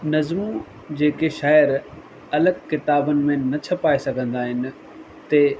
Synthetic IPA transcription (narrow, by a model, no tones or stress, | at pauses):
nɐzmu | d͡ʑeːkeʃaːjəɾ | ɐləɡkɪt̪aːbənɪ̆mẽnɐt͡ɕʰɐpaːesɐɡʱə̃nd̪aːɦɪnɪ̆ | t̪ɐ